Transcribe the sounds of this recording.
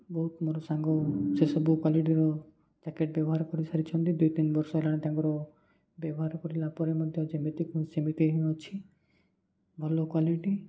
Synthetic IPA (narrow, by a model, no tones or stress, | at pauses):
bɔɦut̪moɾɔsãŋɡɔsesɔbukwaliʈ̬iɾɔ | d͡ʒakeʈ̚bjɔbɔɦaɾkɔɾisʰaɾit͡ʃʰɔnt̪id̪ujt̪inbɔɾsɔelaɽet̪ãŋkɔɾɔ | bjɔbɔɦaɾkɔɾilapɔɾemɔd̪ʱjɔd͡ʒemet̪ikusimit̪iɦiɔt͡ʃʰi | bʱɔlokwaliʈi